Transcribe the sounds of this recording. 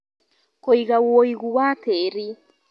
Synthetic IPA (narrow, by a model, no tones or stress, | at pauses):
koiɣawoiɣuwatʰeɾi